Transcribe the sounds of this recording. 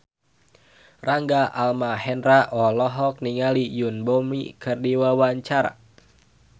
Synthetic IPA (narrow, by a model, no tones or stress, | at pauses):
raŋɡaʔalmaɦɛnraʔɔlɔɦɔk̚niŋalijunbɔmḭkɨrdiwawaɲt͡ʃaɾa̰